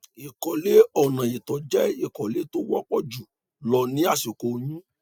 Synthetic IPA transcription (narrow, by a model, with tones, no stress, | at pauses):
i˨kɔ˨le˨˦ɔ˦˨nã˨i˨tɔ˨d͡ʒɛ˦i˦˨kɔ˨le˨˦to˦wɔ˦k͡pɔ˦d͡ʒu˨ | lɔ˧˦nĩ˦a˦˨ʃi˨ko˨˧j̃ĩ˦